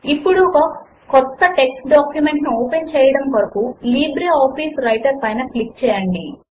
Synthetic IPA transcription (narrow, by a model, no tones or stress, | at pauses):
ipːuɽu | kɔt̪ːɐʈe̞ksʈɖaːkjume̞ɳʈnuoːpent͡ʃɛːjɐɽɐmkɐɾɐkuliːbɾeaːpiːsɾɐjʈɐɾpɐjnɐklik̚t͡ʃɛːjɐɳɖi